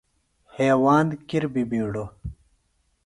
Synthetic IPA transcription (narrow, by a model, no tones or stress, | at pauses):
heːwaːnd̪kiɾbibiːɽo